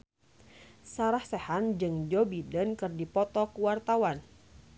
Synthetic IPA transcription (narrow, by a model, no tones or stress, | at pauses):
saɾahsehand͡ʒɨŋd͡ʒɔbidənkɨrdipɔt̪ɔkuwart̪awan